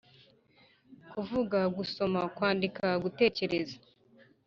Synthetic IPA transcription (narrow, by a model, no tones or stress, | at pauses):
kuvuɡaɡuso̞makwaːndikaɡute̞ːce̞ɾeza